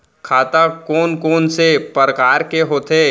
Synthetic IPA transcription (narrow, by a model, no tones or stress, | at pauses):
kʰaːt̪akɔːnkɔːnsepəɾəkaːɾkeɦoːt̪eː